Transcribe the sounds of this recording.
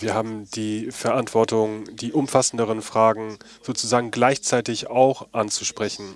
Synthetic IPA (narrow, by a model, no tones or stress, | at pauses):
viːɐɦaːbm̩d̥iːfɛɐʔantv̥ɔɐtʊŋdiːʔʊmfasn̩dəʁ̞ənfʁ̥aːɡŋ̩ | z̥oːt͡suzaːɡŋ̩ɡlaɪçt͡saɪtɪçaʊxʔant͡suʃpʁ̥ɛçn̩